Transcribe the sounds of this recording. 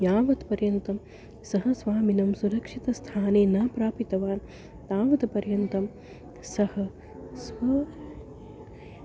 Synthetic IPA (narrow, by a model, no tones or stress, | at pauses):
jaːʋɐt̪pɐɾjɐnt̪ɐm | sɐɦɐsʋaːminɐmsuɾɐkʂit̪ɐst̪ʰaːneːnaːpɾaːpit̪ɐʋaːn | t̪aːʋɐt̪pɐɾjɐnt̪ɐm | sɐhɐ | sʋɐ